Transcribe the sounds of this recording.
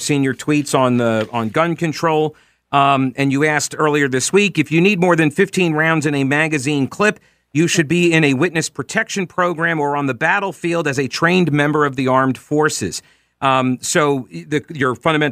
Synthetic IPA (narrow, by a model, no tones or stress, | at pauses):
sĩnjə˞tʰw̥itsn̩ðəə̃nɡʌ̃nkɨ̃ntʰɹ̥oʊlˠ | ɨ̃njɨæsktɜ˞lˠiə˞ðɪswikɨfjɨnid̚mɔɹðɨ̃nfɪftʰĩnɹãʊ̃ndzɨ̃nɨmæɡɨzĩnkʰl̥ɪp | jɨʃɨd̚biɪ̃nɨwɪtⁿnɨspʰɹ̥ɨtʰɛkʃɨ̃npʰɹ̥oʊɡɹæ̃mə˞ə̃nðəbæɾl̩ˠfilˠdɨzɨtʰɹ̥ẽɪ̃nmɛ̃mbə˞ʌvðiɑɹmd̥fɔɹsɪ̰z̥ | soʊðɨjə˞fʌ̃ndɨmɛ̃